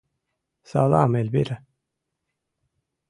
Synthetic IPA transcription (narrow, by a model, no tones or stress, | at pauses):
sa̰la̰ːmelbḭɾæ